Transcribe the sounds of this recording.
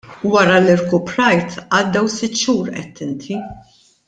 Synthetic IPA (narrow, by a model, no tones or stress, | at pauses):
wɐɾɐlɪɾkʊpɾɐjt̪ʔɐd̪ːɛwsɪt̪ːʃuːɾʔɛt̪ʰːɪnt̪ʰi